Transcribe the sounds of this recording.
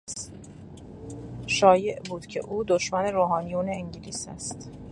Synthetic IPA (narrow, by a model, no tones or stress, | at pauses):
ʃɒːje̞ʔbuːd̪̥cʰe̞̰ʔuːd̪oʃmæne̞ɾoːɦɒːnijuːneːɲɟiliːsæ̰st̪